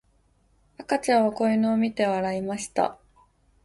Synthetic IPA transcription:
akat͡ɕãɰ̃βako̞inoːmʲit̪e̞βaɾaimaɕi̥t̪a̰

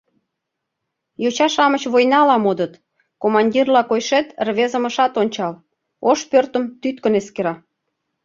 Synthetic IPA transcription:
jot͡ɕɑʃɑmət͡ɕβojnɑlɑmod̪ət̪ | komɑnʲdʲirlɑkojʃet̪rβezə̆mə̆ʃɑt̪onʲt͡ɕɑl | oʃpørt̪ə̆mt̪yt̪kə̆neskeɾɑ

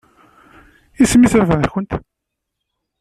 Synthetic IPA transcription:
ismiθɾvæðçənt̪

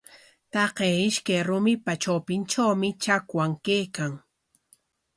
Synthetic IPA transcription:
t̪ɑqeːɪʃkajɾʊmɪpat͡ʃawpɪnt͡ʃawmɪt͡ʃakwaŋkejkaŋ

